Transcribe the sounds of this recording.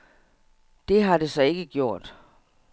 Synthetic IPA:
d̥e̝ɦɑ̈de̝sɒ̽e̝ɡ̥əɡ̥jo̝ɐ̰d̥

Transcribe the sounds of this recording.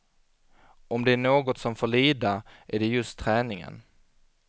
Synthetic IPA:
ɔmd̪ɛæɳoːɡɔt̪sɔmfoːɭiːd̪aæɖɛjɵst̪ʰːɾɛːnɪŋə̰n

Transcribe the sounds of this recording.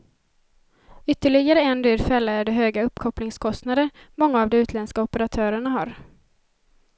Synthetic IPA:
ʏt̪ːəɭɪɡaɾəɛnd̪yːɾfɛlːaæɖɛɦøːɡaɵpːkʰɔplɪŋskʰɔst̪nad̪əɾmɔŋːaːvd̪ɔmʉ̟ːt̪ʰlɛnskaɔpəɾat̪ʰœːɾəɳaɦaɾ

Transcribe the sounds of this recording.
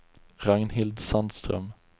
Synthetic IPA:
ɾaŋnhɪld̪sand̪st̪ɾœ̰m

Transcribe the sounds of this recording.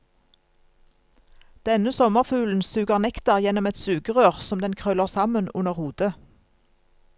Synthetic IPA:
d̪̥ɛnəsɔməʁfʉːln̩sʉːɡəʁnɛkt̪əʁjɛnɔmɛt̪sʉːɡəʁøːʁsɔmd̪ɛnkʰʁœləʁsɑmənʉnəʁhuːd̪ə

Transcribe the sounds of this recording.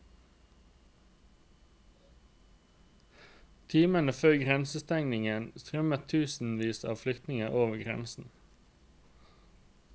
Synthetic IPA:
t̪ʰiːmənəføːʁɡʁɛnsəst̪ɛŋnɪŋənst̪ʁœmət̪ʰʉːsn̩ʋiːsɑ̰ːʋflʏkt̪nɪŋəʔoːʋəɡʁɛ̰nsn̩

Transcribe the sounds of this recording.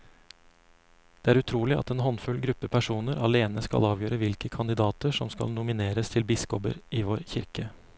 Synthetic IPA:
d̪̥eːæːɾʉt̪ʰɾuːlɪʔɑ̰t̪eːnɦɔnfʉlɡɾʉpːəpʰæʂuːnəɾɑleːnəskɑ̰lɑːʋjøːɾəʋɪlkəkʰɑnd̪ɪd̪ɑːt̪əʂɔmskɑ̰lnʊmɪneːɾəst̪ʰɪlbɪskɔpə̰ɾiːʋoːɾçɪ̰ɾkə

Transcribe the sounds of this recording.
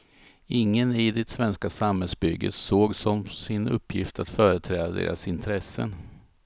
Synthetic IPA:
ɪŋːənɪd̪ɛt̪svɛnskasamɦɛlsbʏɡːə̰t̪soːɡsɔmsɪnɵ̰pːjɪft̪ʰat̪fœːɾət̪ʰɾɛːd̪ad̪ḛːɾʔasɪnt̪ʰɾɛsːə̰n

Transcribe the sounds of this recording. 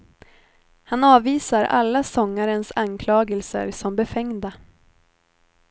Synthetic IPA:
hanɑːviːsaɾʔa̰lːasɔŋːaɾənsankʰlɑːɡəlsə̰ɾsɔmbɛfɛŋd̪a

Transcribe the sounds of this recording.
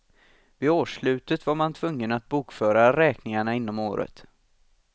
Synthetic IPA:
vɪoːʂlʉ̟ːt̪ət̪vaɾmant̪ʰvɵŋːənat̪̚buːkfœːɾaɾɛːknɪŋaɳaɪnːɔmoːɾə̰t̪

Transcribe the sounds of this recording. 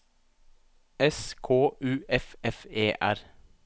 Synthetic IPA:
ɛskʰoːʔʉːʔɛfɛfeːʔæɾ

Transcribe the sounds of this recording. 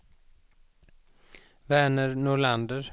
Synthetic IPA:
væːɳəɾnʊɭand̪əɾ

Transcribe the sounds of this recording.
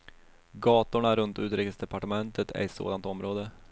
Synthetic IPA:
ɡɑːt̪ʊɳaɾɵnt̪ʉ̟ːt̪ɾɪːkəsd̪ɛpaʈəmɛnt̪ət̪ʰæ̰ɾɪso̰ːd̪ant̪ɔmɾoːd̪ə

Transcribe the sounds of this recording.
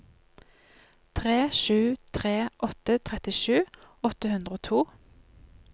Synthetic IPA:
t̪ʰʁeːʃʉːt̪ʰʁeːʔɔt̪ət̪ʰʁɛt̪ɪʃʉːɔt̪əhʉnd̪ʁəoːt̪ʰuː

